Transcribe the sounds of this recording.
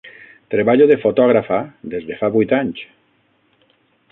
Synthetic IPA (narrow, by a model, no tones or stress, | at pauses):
t̪ɾeβaʎoðefot̪ɔɣ̞ɾafad̪ezðefaβujt̪aɲt͡ʃ